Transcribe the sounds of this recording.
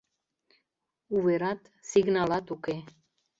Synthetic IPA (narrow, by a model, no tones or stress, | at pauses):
uveɾɑt̪ | siɡnɑlɑt̪uke